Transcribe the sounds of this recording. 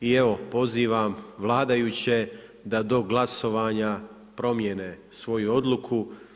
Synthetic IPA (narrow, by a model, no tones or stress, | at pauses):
ie̞ʋo̞po̞ziːʋamʋlˠaːd̪ajut͡ɕe̞d̪ad̪o̞ɡlˠaso̞ʋaːɲa | pɾo̞mjene | sʋo̞juo̞d̪lˠukʰu